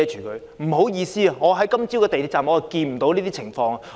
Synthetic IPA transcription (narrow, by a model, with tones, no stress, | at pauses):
ɛ˨˧t͡ʃʰyː˨˩kɵ˨˧ɥ | m̩˨˩ɦo˨˥wjiː˧siː˥ɐ˨ŋɔː˨˧ɦɐ˨˥jkɐ˥mt͡si˥wkɛː˧te˨jt̪ʰi˧˩t͡saː˨˩mhɔː˨˧˥kiː˧nm̩˨˩t̪o˨˥wniː˥t̪iː˥ɪ˨˩ŋfɔː˧ŋɐ˨